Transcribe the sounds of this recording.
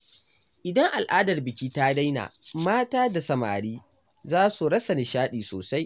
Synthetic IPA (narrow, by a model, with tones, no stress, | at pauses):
ʔɪ˨dɐ˦ŋʔa˨lʔaː˦dɐ˨rbɪ˨kʲiː˦taː˦da˦jna̰ː˨maː˦taː˦da˨sɐ˨ma̰ː˨ɽiː˦ | zaː˦su˨ɽɐ˦sɐ˨ni˨ʃaː˦ɗiː˨soː˨sa˦j